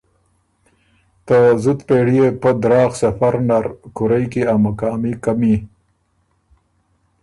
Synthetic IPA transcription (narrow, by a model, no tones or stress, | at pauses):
t̪əzut̪peːɽijepəd̪ɾɑːxsafaɾnaɾkʊɾajkiamakaɑːmikami